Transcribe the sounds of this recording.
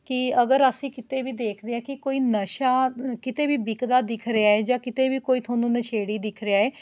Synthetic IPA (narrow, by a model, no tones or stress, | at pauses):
kɪəɡəɾəsĩːkɪt̪eːbiːd̪eːkʰd̪eːaːkɪkoːiːnəʃaːkɪt̪eːbiːbɪkd̪aːd̪ɪkʰɾɪaːeːd͡ʒãːkɪt̪eːbiːkoːiːt̪ʰaːnũːnəʃʰeːɽiːd̪ɪkʰɾɪaːeː